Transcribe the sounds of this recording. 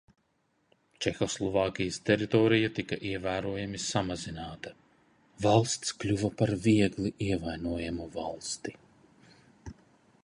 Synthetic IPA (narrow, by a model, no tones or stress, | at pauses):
t͡ʃɛxɔslˠɔvɑːkʲijəst̪ɛɾit̪ɔːɾijat̪ikaʔiɛvæːɾuɔjamisamazinaːt̪ɐ | valˠst̪sklʲuvɐpaɾviɛɡliʔiɛvajnuɔjamuvalˠst̪i